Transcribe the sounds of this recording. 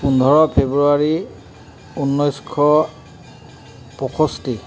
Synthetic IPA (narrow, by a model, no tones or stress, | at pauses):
pundʱɔɹɔpʰebɹuaɹi | unːɔjskʰɔ | pɔkʰɔsti